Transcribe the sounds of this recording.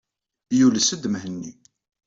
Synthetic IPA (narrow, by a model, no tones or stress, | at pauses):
julsəd̪mhənːḭ